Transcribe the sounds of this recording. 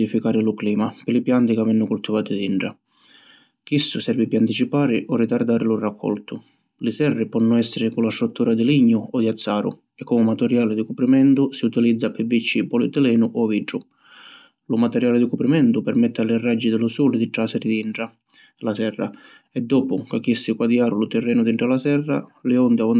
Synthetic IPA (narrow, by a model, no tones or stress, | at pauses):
ifikaːɾɪlʊkliːmapɪlɪpjant̪ikavɛnːʊkult̪ːivaːt̪ɪd̪iɳʈɾa | k̟isːʊsɛrvɪpɪant̪it͡ʃipaːɾɪʔɔrːit̪aɾd̪aːɾɪlurakʰːɔ̰lt̪ʊ | lɪsɛrːɪpɔnːʊɛsːɪɾɪkulast̪ɾut̪ʰːuːɾad̪ɪliɲːʊɔd̪iat̪sːaːɾʊ̰ | ɛkːɔmɪmat̪ɛɾjaːlɪd̪ikupɾimɛnt̪ʊsiut̪ilid̪zːapɪvit͡ʃːipɔlit̪ɪlɛːnʊʔɔviɖɾʊ | lumat̪ɛɾjaːlɪd̪ikupɾimɛnt̪ʊpɛɾmɛt̪ːɪalːɪrːad͡ʒːid̪ɪlusɔːlɪd̪iʈɾasɛɾɪd̪iɳʈa | lasɛrːa̰ | ɛd̪ːɔːpʊkakːisːikwad̪jaːɾʊlut̪ɛrːɛːnʊd̪iɳʈɾalasɛrːa̰lɪɔnd̪ɪaɔn